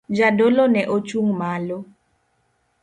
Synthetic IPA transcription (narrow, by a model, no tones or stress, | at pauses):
d͡ʒadolɔnɛʔot͡ʃuŋmalo